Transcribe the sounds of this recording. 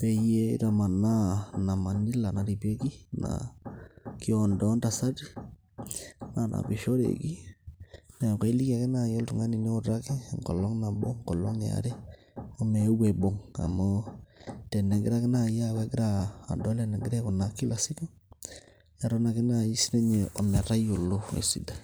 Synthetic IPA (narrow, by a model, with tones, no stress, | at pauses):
pe˨jḛ˦ɾa˨ma˨na˦na˨ma˨ni˦la˨na˨ɾi˨pe˦ki˦na̰˨ | ki˦ɔ˨ndɔ˦nda˨sa˦ti˦ | na˨nʔa̰˨bi˨ʃo˦ɾḛ˨ki˦ | me˨ke˦i˦li˦ka˨kɪ˦na˨jɔ˦ltu˨ŋa˦ni˨ne˦o˦ɾa˦kɪ˦ŋkɔ̰˨lɔ˦ŋna˨bo˦ŋkɔ˨lɔ˦ŋa̰˨ɾe˦ | o˦mɛ˨˦we˨bo˨ŋa̰˨mɔ˦ | tɛ˨nɛ˨ɡɪ˦ɾa˦kɪ˦na˨ja˦ke˦ɡɪ˦ɾa̰ː˨dɔ˦lɛ˨na˨ɡɪ˦ɾɛ˦ku˨na˨ki˦lʔa˨si˦ka˦ | ja˨ɾɔ˦na˨kɪ˦na˨i˦si˦ne˦ɲe˨ʔɔ˨mɛ˨ɾa˦jo˨lo˦ḛ˨sḭ˦da˨